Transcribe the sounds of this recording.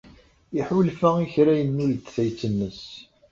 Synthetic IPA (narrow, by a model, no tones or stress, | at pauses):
iħulfæiçɾæjənːult̪θæjt͡sːənːəs